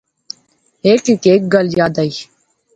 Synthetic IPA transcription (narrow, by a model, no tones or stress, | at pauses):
eːkɪkeːk̚ɡəljaːd̪aiː